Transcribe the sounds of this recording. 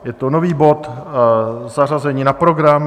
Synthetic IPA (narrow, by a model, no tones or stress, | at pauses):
jɛt̪ono̞viːbo̞t̪ | zar̝azɛɲiːnapɾo̞ɡɾam